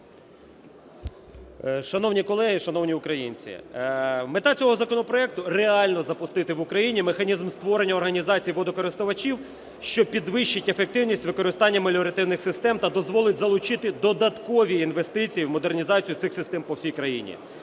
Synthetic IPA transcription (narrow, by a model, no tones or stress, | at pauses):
ʃɐnɔwnʲikɔlˠɛɦiʃɐnɔwnʲiʊkɾɐjinʲt͡sʲḭ | met̪ɑt͡sʲɔɦɔzɐkɔnɔpɾɔɛk̚t̪ʊreɑlʲnɔzɐpʊst̪ɪt̪ɪʋʊkɾɐjinʲimexɐnʲizmst̪ʋɔɾenʲːɐːrɦɐnʲizɑt͡sʲijʋɔd̪ɔkɔɾɪst̪ʊʋɐt͡ʃiw | ʃt͡ʃɔpʲid̪ʋɪʃt͡ʃɪtʲefek̚t̪ɪwnʲisʲtʲʋɪkɔɾɪst̪ɑnʲːɐmɐlʲɔɾɐt̪ɪwnɪxsɪst̪ɛmt̪ɐd̪ɔzʋɔlˠɪtʲzɐlˠʊt͡ʃɪt̪ɪd̪ɔd̪ɐt̪kɔʋʲiinʋe̞st̪ɪt͡sʲijiwmɔd̪ernʲizɑt͡sʲijʊt̪sɪxsɪst̪ɛmpɔwsʲijkɾɐjḭnʲḭ